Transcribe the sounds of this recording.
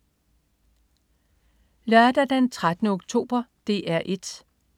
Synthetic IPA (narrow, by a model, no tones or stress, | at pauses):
lœɐd̥æd̥ent͡sʰʁad̥ənəoɡ̥̚t͡sʰo̝̰ːb̥ɐd̥e̝̰ːʔæɐ̰ʔe̝d̥